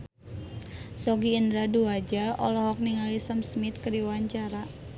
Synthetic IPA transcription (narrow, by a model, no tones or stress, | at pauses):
sɔɡiːndɾaduad͡ʒaɔlɔɦɔk̚niŋalisəmsmit̪̚kədiwaɲt͡ʃaɾa